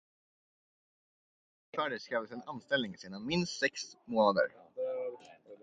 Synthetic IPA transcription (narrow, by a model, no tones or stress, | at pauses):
fœːɖəskɾɛvəsɛnanst̪ɛlnɪŋseːnanmɪnst̪sɛksmoːnad̪ə̰ɾ